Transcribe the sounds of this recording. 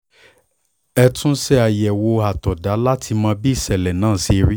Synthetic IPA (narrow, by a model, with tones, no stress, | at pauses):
ɛ˧tũ˦sɛ˦a˨jɛ˨wo˧a˨tɔ˨da˨˦la˦tʰi˧mãː˧bi˦i˦˨sɛ˨lɛ˨nãː˦˨si˧ɾi˦